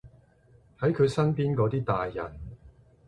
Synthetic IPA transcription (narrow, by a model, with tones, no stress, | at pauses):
hɐ˨˥jkʰɵ˨˧ɥsɐ˥npiː˥nkɔː˨˥t̪iː˥t̪aː˨jːɐ̰˨˩n